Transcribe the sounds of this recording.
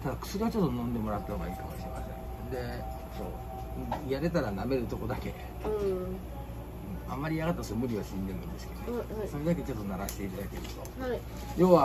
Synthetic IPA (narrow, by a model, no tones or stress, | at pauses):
t̪ad̪akɯ̟̥sɨɾiβat͡ɕo̞t̪ːonõ̞nd̪e̞mo̞ɾat̪ːahoɡaiːkamo̞ɕiɾema̰sẽ̞̰ŋ | d̪e̞ | so̞̰ː | jaɾe̞t̪aɾaname̞ɾɯ̟t̪o̞ko̞d̪ake̞̰ | ɯ | ɯ̃a̰mːaɾʲiaɣat̪ːat̪osoomɯ̟ɾʲiβaɕĩnd̪e̞nɯ̃nd̪esɨ̥ked̪oso̞ɾed̪ak̬et͡ɕo̞t̪ːo̞naɾaɕi̥t̪e̞it̪ad̪ake̞ɾɯ̟t̪o̞hai | jo̞ːβa